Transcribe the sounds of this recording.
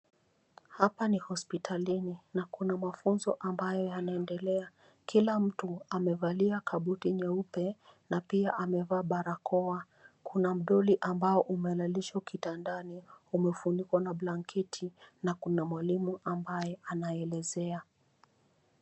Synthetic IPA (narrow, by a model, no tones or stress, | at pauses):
hapanihɔspitʰalininakunamafunzɔʔambajɔjanaɛndɛlɛa | kilam̩tuamɛvaliakʰaɓutiɲaupɛnapiaʔamɛvaːɓaɾakɔa | kʰunam̩ɗɔliʔambaɔʔumɛlaliʃaukitandaniumɛfunikwanablaŋkʰɛtʰinakunamwalimuʔambajɛanaɛlɛzɛa